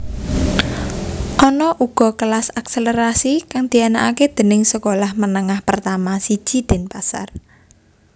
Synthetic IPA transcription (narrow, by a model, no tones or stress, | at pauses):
ʔɔnɔʔuɡ̥ɔ̤kəlasakseləɾasikaŋd̪̥i̤anaʔaked̪̥ə̤nɪŋsəkolahmənəŋahpərt̪amasid̥ʒ̥i̤d̪̥e̤npasa̰r